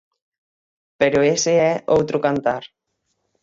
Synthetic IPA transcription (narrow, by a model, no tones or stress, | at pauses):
peɾoeseɛowt̪ɾokant̪aɾ